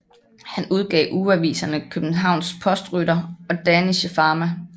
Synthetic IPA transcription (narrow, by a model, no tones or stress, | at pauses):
hænuð̞ˠɡ̥ɛ̰ːʔuːæʋḭːsɐnəkʰøb̥n̩ɦɑ̈ʊ̰nspʰɒ̽sd̥ʁyɾɐɒ̽d̥æniɕəfɑ̈ːmæ